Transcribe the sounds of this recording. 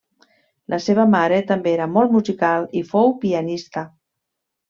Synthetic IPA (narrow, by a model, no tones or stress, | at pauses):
lʔaseβamaɾet̪ambeeɾamɔlˠt̪muzikalifowpianist̪a